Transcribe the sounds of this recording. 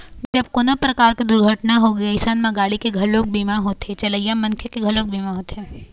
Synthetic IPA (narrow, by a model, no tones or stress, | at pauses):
d͡ʒɐb̚koːnopɾɐkaːɾked̪ʊɾɡʱəʈnaɦoɡiasanmãɡaːɽikeɡʱɐloːk̚biːmaɦoːt̪et͡ʃɐləijamɐ̃nkʰjəkeɡʱɐloːk̚biːmaɦoːt̪ɛː